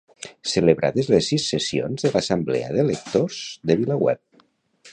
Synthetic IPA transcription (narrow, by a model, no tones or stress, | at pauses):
sələβɾʔa̰ðezlesːisːəsio̰nzðəlasəmblɛ̰ə̰ðelək̚t̪oz̥ðəβilawɛ̰p̚